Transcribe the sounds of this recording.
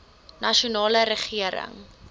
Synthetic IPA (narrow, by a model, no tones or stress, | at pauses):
nɐʃunɑːləɾəχiəɾə̰ŋ